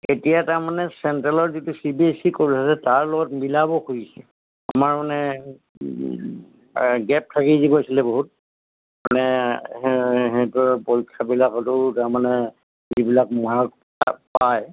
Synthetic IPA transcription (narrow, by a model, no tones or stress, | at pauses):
etijataɹmanɛsɛntalɔɹzitusibiesikoɹisasɛtaɹlɔɡɔtmilabɔxuisɛ | a̰maɹmanɛ | ɡɛp̚tʰakizibɔasilɛboɦut̚ | amanɛ | ɦɛtʊɹpoɹkʰːabilakɔtʊtaɹmanɛ | zibilak̚maɹk̚ | paj